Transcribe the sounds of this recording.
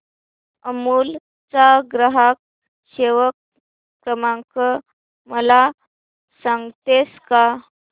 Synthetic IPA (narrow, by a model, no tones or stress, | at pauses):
əmuːl | t͡saɡɾəɦak̚ | ɕeʋəkː | ɾəmãŋkə | məla | sãŋɡt̪eska